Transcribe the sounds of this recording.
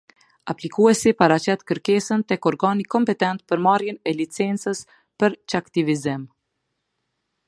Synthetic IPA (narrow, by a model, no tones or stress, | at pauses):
aplikuɛsipaɾat͡ɕɛt̪kəɾkɛsənt̪ɛkɔɾɡanikɔmpɛt̪ɛnt̪̚pəɾmarjɛnɛlit͡sɛnt͡səs | pəɾt͡ʃakt̪ivizim